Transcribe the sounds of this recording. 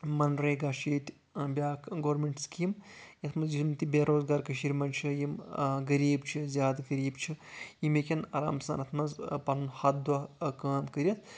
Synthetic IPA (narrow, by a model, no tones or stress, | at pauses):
mɐnɾeːɡaʃiːt̪ʲ | bʲaːkʰɡoːɾmʲeɳʈskimjɐt̪ʰmɐzd͡ʒisumt̪ibʲeːɾoːzɡaːɾkɐʃiːɾʲmɐnt͡ʃʰɨjimɡɐɾiːbt͡ʃʰizʲjaːd̪ɡɐɾiːbt͡ʃʰijimekʲɐnɐ̰ɾa̰ːmsa̰ːnɐt̪ʰmɐzpɐnunhɐt̪̚d̪ɐkaːmkɐɾʲɐt̪ʰ